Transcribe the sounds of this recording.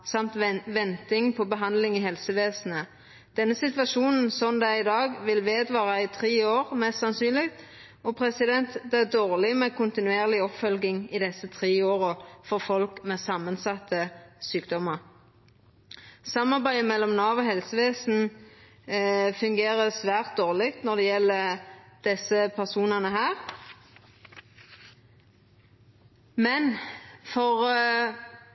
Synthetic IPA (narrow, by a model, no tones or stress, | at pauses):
sɑmt̪ʋɛnt̪ɪŋpʰɔbəɦɑnd̪lɪŋɪhɛlsəʋeːsn̩ə | d̪̥ɛnːəsɪt̪ʋɑʃuːnn̩sɔnd̪ɛɪd̪ɑːɡʋɪlʋeːd̪ʋɑːʁɑɪt̪ʰʁeːoːʁmɛst̪sɑnsyːnlɪɡt̪ | ɔpʰʁɛsɪd̪ɛnt̪d̪ɛæd̪oːʁlɪmɛkʰʊnt̪ɪnʉeːʁlɪɔpfœlɡɪŋɪd̪ɛsət̪ʰʁeːoːʁɔfɔʁfɔlkmɛsɑmːənsɑt̪ʰːəsyːkd̪ɔməʁ | sɑmɑʁbæɪəmɛlːɔmnɑːʋɔɦɛlsəʋeːsn̩ | fʉŋɡeːʁəsʋæːʁt̪̚d̪oːʁlɪɡt̪nɔʁd̪ɛjɛlːəd̪̥ɛsəpʰæʁsuːnɑnəɦæːʁ | mɛnfɔʁ